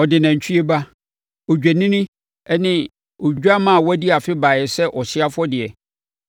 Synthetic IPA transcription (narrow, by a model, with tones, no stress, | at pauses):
ɔ˨dɪ˨nã˨ɲ̩˨t͡ɕʰᶣi˦e˦ba˦ | ɔ˨d͡ʑᶣæ˨nĩ˦nĩ˦ | ɛ˦nɪ̃˦ | ɔ˨d͡ʑᶣa˦mã˦˨wæ˦di˦a˨fɪ˦baː˨jɛ˨sɛ˦ʔɔ˨sɪ˦a˦fʊ˦ɔ˦dɪ˨ɛ˨